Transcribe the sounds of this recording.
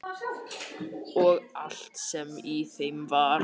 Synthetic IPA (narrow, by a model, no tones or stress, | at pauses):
ɔɣal̥t̪sɛmiθejmvaɾ